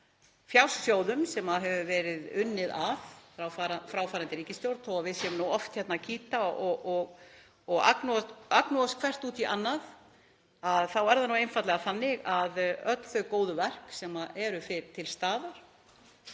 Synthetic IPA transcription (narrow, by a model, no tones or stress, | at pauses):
fjawssjoːwðʏmsɛmaðɦɛvʏvɛːɾɪðʏnːɪðavfɾawfaɾafɾaːwfaːɾant̪ɪɾiːcɪst̪jowɾt̪ɔɣavɪðsɛʏmnuwɔft̪çɛt̪nacʰiːt̪aɔɔɣ | ɔɣa̰knuaknuaskʰvɛr̥t̪uːt̪iʔa̰nːað | aðθawɛɾðanuwejnfant̪lɛɣaθanːɪɣaðœt̪l̥θœɥkoːwðʏvɛr̥ksɛmaʔɛɾʏfɪɾt̪ʰɪlst̪aːðaɾ̥